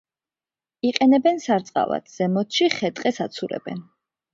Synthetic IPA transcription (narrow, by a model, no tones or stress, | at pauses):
iqʼɛnɛbɛnsaɾt̪sʼqʼa̰va̰t̪ʰz̥ɛmɔt̪ʰʃiχɛt̪ʼqʼɛsat̪sʰuɾɛ̰bɛ̰n